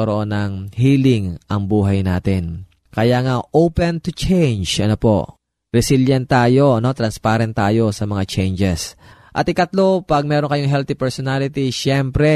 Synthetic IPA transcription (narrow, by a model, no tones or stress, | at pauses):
ɐɾoʔonɐŋhiːlɪŋʔɐŋbuːɦɐjna̰ːt̪ɛn | kɐjaːŋaʔowpɛnt̪ʊt͡ʃɛjnd͡ʒʔɐ̰nopo̞̰ʔ | ɾɛsiljɛnt̪aːjo̞ɐno̞t̪ɾɐnspaɾɛnt̪ːaːjo̞sɐmɐŋat͡ʃɛjnd͡ʒɛs | ʔɐt̪ɪkɐt̪lo̞pɐɡ̚mɛːɾo̞nkɐjoŋɦɛlt̪ipɛɹsonalɪt̪iʃjɛmpɾɛ